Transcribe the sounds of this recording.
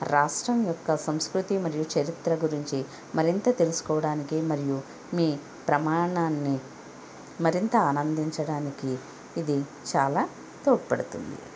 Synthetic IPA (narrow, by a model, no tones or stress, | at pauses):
ɾaːʂʈɾɐmjɔkːɐsɐmskɾut̪imɐɾijut͡ʃɐɾit̪ɾɐɡuɾiɲt͡ʃi | mɐɾint̪ɐt̪e̞lusu̥kɔːʋɐɽaːnikimɐɾiju | miː | pɾɐmaːɳaːnːi | mɐɾint̪ɐaːnɐnd̪iɲt͡ʃɐɽaːnikiː | d̪i | t͡ʃaːlaː | t̪oːʈipɐɽut̪ṵnd̪ḭ